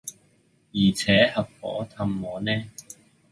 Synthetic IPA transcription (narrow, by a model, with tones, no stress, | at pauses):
jiː˨˩t͡sʰɛː˨˥hɐ˨p̚fɔ̰ː˨˥t̪ʰɐ˧mːɔː˨˧nɛː˥